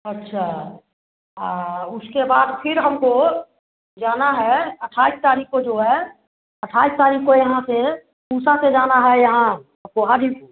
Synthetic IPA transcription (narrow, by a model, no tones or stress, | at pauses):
ɐtːʃʰa | ʊskebaːd̪pʰɪɾɦəmko | d͡ʒaːnaɦɛəʈʰaːist̪aːɾiːkːod͡ʒoːɦɛ | əʈʰaːist̪aːɾiːkːojɐɦãse | kuːsased͡ʒaːnaɦɛjɐɦãaːp̚koaːd̪ʱi